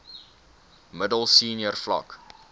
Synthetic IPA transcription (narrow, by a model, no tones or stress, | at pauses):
mədəlˠsiːnjərflɐ̰k